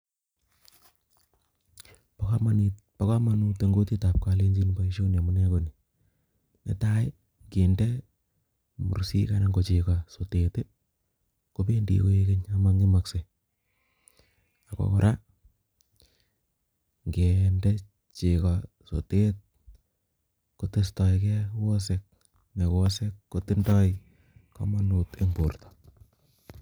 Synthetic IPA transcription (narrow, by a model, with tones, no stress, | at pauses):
pa˨ka˦ma˦ni˨t̚ | pa˦ka˦ma˨nu˦te˦ŋɡo˦ti˦ta˨p̚ka˦le˦ɲd͡ʒi˦nba˨iʃo˦ne˨mu˨˦ne˦ko˨ni˨ | nḛ˦ta˦i˦ | ɡe˨nde˦ | mṵ˨ɾsḭ˦ka˦na˦ŋɡo˨t͡ʃika˨so˨tete˦ | ko˦pe˦ndḭ˨ko˦je˦ke˦ɲama˦ŋɡɪ˦ma˨kse˨ | a˨kɔ̰kɔ˨ɾʔa˦ | ŋɡe˨nde˦ | t͡ʃi˨kɔ | so̰˨te˦t̚ | ko˦te˦stɔ˨jkɛ˦wɔ˦s̬ek̚ | me˨wɔse˦kːoti˦ndɔ˦j | kɔ̰˦ma˦nu˨te˦mbo˨rtɔ̥